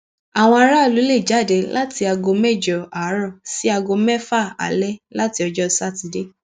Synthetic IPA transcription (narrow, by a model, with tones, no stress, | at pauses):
a˨w̃ɔ̃˧a˧ɾa˦˨lu˨˦le˦˨d͡ʒa˦˨de˨˧la˦ti˧a˧ɡo˧mɛ˦˨d͡ʒɔ˨a˨˦ɾɔ̃˦˨si˦a˧ɡo˧mɛ˦fa˦˨a̰˨lɛ˦la˦ti˧ɔ˧d͡ʒɔ˦sa˦˨ti˧de˦˨